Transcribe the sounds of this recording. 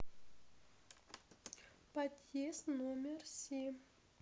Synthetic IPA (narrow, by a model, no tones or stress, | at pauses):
pat̪jest̪nomʲersʲem